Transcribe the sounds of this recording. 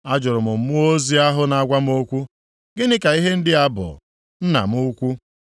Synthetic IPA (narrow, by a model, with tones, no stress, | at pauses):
a˦d͡ʒʊ˨ɾʊ˨mʊ˨m̩˦mʊ˦o˦zi˦a˦ɦʊ˦na˨a˦˨ɡʷa˦m˦o˦kʷu˦ | ɡɪ˦nɪ˦ka˨i˦ɦe˦n̩˦dɪ˦a˦bʊ̰˨ | n̩˦na̰˨m˦ʊ˦kʷu˦